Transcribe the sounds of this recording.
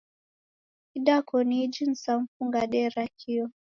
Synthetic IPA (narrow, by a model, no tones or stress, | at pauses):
iɗakɔnid͡ʒin̩sam̩fuŋɡaɗɛɾakʰiɔ